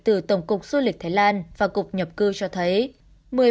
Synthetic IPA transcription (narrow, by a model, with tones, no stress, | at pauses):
t̪ɨ˨˩t̪ə˧˩wŋ͡mkʊ˨˩k͡p̚su˧lï˨˩k̟̚t̪ʰaː˨˦jlaː˧nvaː˨˩kʊ˨˩k͡p̚ɲə˨˩p̚kɨ˧t͡ɕɔ˧t̪ʰə˨˦j | mɨ˨˩ə